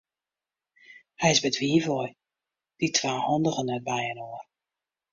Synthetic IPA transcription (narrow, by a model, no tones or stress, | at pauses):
hɛjɪzbɛtʋiːvɔj | d̥itʰʋaːhɔndəɣənɛt̚bɛjənoər